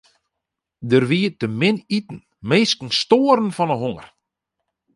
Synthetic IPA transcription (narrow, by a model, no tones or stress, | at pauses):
dərʋiːtəmɪnitn̩ | meːskən̩stoːəɾn̩fɔnəɦoŋər